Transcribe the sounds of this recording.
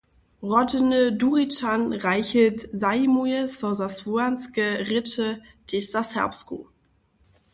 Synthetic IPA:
ʁɔdənəduʁitanʁaɪçətzaɪmuəsɔzasvuanskəʁɪtə | ɡ̥esashɛ̰ɐpskṵ

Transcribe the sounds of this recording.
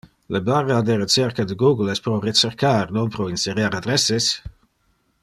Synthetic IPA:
ləbarad̪eɾet͡sɛɾkad̪əɡuɡəlɛspɾɔret͡ʃɛɾkʰaɾnɔnpɾɔinseɾjaɾad̪ɾɛses

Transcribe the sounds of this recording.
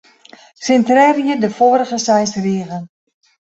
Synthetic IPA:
sɪntrɛrjədəfoːɾəɣəsɛjsriəɣən

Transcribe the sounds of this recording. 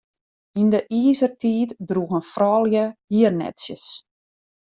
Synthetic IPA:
indəʔiːzərtʰiːtdruɣənfrɔːlˠjəhiərnɛ̰tsjəs

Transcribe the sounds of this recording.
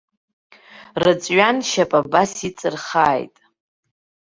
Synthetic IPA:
rɨt͡sʼɥanʃapʼabasit͡sʼɨrχaːjtʼ

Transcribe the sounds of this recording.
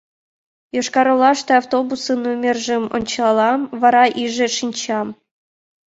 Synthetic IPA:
joʃkɑɾolˠɑʃt̪ɤɑwt̪obusɤnumʲerʒɘmo̰nʲt͡ɕlˠɑlˠɑmvɑɾɑʔiʒĕʃinʲt͡ɕɑm

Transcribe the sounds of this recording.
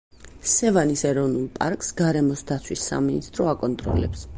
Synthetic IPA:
sɛvanisɛɾɔvnulˠpʼa̰ɾkʼsɡaɾɛmɔsd̪at̪sʰwisːa̰minist̪ʼɾɔakʼɔnt̪ʼɾɔ̰lɛ̰ps

